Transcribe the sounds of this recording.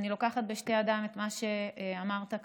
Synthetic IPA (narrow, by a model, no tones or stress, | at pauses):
nilo̞kaχat̪beʃtead̪amet̪maʃe̞amaʁt̪ak